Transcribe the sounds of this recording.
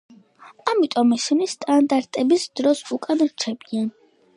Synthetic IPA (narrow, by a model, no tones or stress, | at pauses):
amit̪ʼɔmɛʃɛnist̪ʼand̪aɾt̪ʼɛbisd̪̥ɾɔsukʼanɾt͡ʃʰɛbian